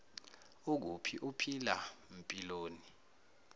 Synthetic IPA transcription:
uk̬ṵpʰiʔupʰilam̩pʼiloːni

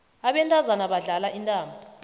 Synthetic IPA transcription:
aɓɛntʼazanaɓaɮalaʔintʼaːmɔ

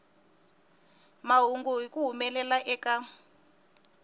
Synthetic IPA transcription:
maɦuŋɡuɦikuɦumɛlɛlaʔɛːka

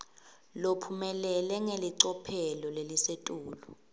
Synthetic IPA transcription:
lopʰumɛlɛlɛŋeliǀɔpʰɛlɔlelisetʼuːlɔ

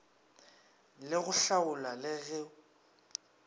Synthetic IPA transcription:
lɪɣʊɬaʊlalɪɣɛʊ

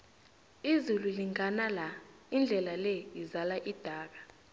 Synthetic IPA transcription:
izululiŋʱanala | ind͡ɮʱɛlalɛizalaʔid̥ʱaːk̬ḁ

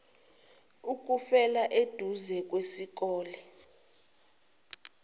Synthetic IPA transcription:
uk̬ʼufɛlaʔed̥ʱuzɛk̬ʼwesik̬ʼɔːlɛ

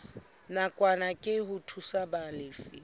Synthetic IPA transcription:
nakʼwanakʼɪɦʊtʰusabalɪːfɪ

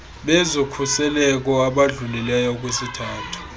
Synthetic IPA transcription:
ɓɛzokʰusɛlɛk̬ɔaɓaɮulɛlɛjɔk̬ʼwesitʰaːtʰu̥

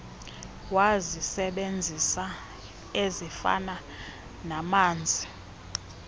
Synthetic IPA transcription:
wazisɛɓend͡zʱisa | ezifa̰na | namaːnd͡zʱi

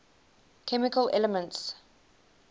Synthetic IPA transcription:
kʰɛmɪkəlʔɛləmə̃nts

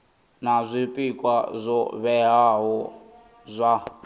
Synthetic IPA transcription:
nazʷipʼikʼwazʷɔβɛɦaɦɔ | zʷa

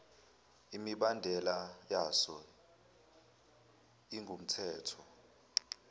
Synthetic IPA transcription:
imiɓandʱɛlajasɔ | iŋɡʱum̩tʰɛːtʰɔ

